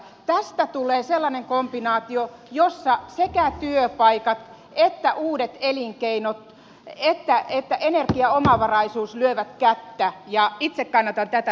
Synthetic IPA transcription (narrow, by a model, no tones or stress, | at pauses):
t̪æst̪æt̪uleːselːɑneŋkomb̥inɑːt̪iojosːɑsekæt̪yøpɑikɑt̪ | et̪ːæʔuːdet̪eliŋkeinot̪ | et̪ːæet̪ːæʔenerkiɑomɑʋɑrɑisuːslyøʋæt̪kæt̪ːæjɑit̪sekkːɑnːɑt̪ɑnt̪æt̪æ